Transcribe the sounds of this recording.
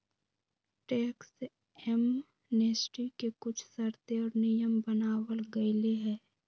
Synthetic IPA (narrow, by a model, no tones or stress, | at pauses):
ʈɛːks | ɛm | neːsʈikekʊt͡ʃʰsɐɾt̪eɔːɾnɪjəmbənaːwəlɡɐɪleɦɛː